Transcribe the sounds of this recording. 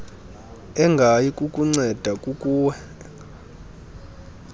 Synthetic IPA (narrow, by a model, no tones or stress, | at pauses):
ɛŋɡʱajikʼukʼuŋ͡ǀɛd̥ʱakʼukʼuːwɛ